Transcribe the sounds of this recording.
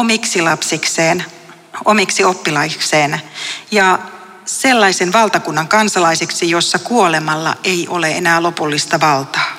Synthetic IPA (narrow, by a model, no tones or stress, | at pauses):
omiksilɑpsikseːn | omiksiopːilɑikseːnjɑ | selːɑisenʋɑlt̪ɑkunːɑŋkɑnsɑlɑiseksijosːɑkuolemɑlːɑ̰ʔeiʔo̞leḛnæːlo̞pulːist̪ɑʋɑlt̪ɑː